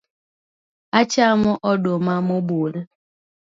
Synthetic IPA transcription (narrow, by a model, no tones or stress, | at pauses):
at͡ʃamɔʔɔɗomamobol